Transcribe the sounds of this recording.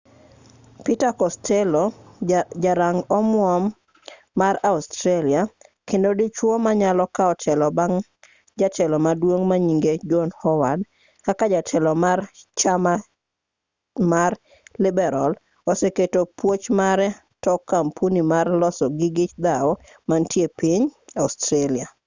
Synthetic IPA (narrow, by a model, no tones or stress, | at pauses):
pitakɔstʰɛlo | d͡ʒaɾaŋɔmwɔmː | aɾaustɾaliakendodit͡ʃwomaɲalɔkaɔtʰɛlɔbaŋ | d͡ʒatʰɛlɔmadwoŋmaɲiŋɡed͡ʒɔnhɔwad | kakad͡ʒatʰɛlɔmart͡ʃama | mar | lɪbɛɾal | ɔseketopwot͡ʃmaɾɛ | tɔkːampunimarlɔsɔɡɪɡɪt͡ʃd̪awɔ | mantjepiɲastɾalia